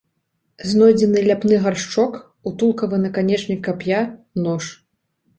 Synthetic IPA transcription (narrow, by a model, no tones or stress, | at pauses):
znɔjd͡zʲɛnɨlʲapnɨɣarʂt͡ʂɔk | ut̪ulˠkɐvɨnɐkanʲɛt͡ʂnʲikːapja | nɔʂ